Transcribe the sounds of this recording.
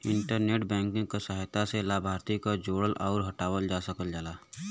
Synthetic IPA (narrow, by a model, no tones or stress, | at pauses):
ɪ̃ɳʈəɾneːʈbɛ̃ːŋkɪ̃ŋɡkosaɦjt̪aselaːbʱaːɾt̪ikod͡ʒoːɽəlʔɔːɾɦəʈaːwəld͡ʒaːsəkəld͡ʒaːlaː